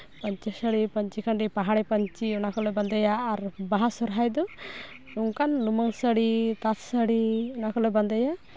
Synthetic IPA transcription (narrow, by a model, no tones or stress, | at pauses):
pəɲt͡ʃisəɽipəɲt͡ʃikʰanɾipaɦaɽɛpəɲt͡ʃiɔnakɔleband̪ajaːɾbaɦasɔɾɦajd̪ɔ | uŋkanluməŋsəɽit̪at̪səɽiɔnakɔleband̪əja